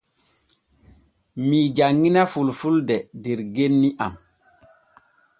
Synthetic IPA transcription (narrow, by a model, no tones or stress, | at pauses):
miːd͡ʒaŋːinafulfuldɛdeɾɡenːiʔa̰m